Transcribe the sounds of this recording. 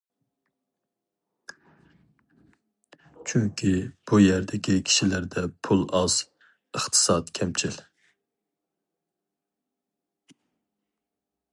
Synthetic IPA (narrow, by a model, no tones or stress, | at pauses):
t͡ʃʰyŋkʲʰib̥ujɛɾd̪ɪkʲikʲʰi̥ʃilæɾd̪ɛpʰulˠɑz̥ | əχt̪ʰɨ̥sɑt̪kʲʰɛmt͡ʃʰil